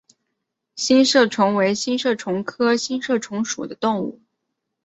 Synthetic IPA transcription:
ɕi˥nʂɤ˥˩ʈ͡ʂʰʊ˧˥ŋwe˧˥ɪɕi˥nʂɤ˥˩ʈ͡ʂʰʊ˧˥ŋkʰɤ˥ɕi˥nʂɤ˥˩ʈ͡ʂʰʊ˧˥ŋʂṵ˨˩d̪ə˦t̪ʊ˥˧ŋṵ˥˩

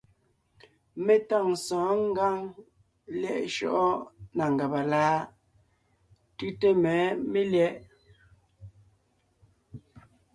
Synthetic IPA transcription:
me˦ta˦˨ŋsɔ̃ː˨˦ŋ̩˦ɡa˦ŋ | ljɛ˦˨ʔʃɔ̰˦ʔɔ˦na˨ŋ˨ɡa˨ba˨laː˦ | tʉ˦te˦mɛː˨˦me˦ljɛ˦ʔ

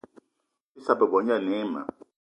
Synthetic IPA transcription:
ɪ˦sa˨pɛ˨bɔ˨ɲ˦a˦˨nɛː˦ma̰˨

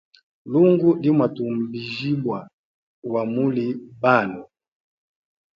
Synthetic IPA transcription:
lu˦ŋɡu˦li˦mwa˨tu˨m̩˨bi˨ʒi˦bwa˨ | wa˨mu˦li˨ba˦˨nɔ˨

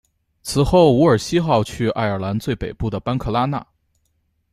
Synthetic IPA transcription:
t͡sʰɹ̩˨˩xo˥˩ʊu˧˥ə˞˨˩ɕi˥xɑ˥˧ʊt͡ɕʰy˥˧a̰˥˩ɪə˞˨˩la˧˥nt͡swe˥˩ɪpe˨˩ɪpu˥˩d̪ə˩pa˥nkʰɤ˥˩la˥na̰˥˩

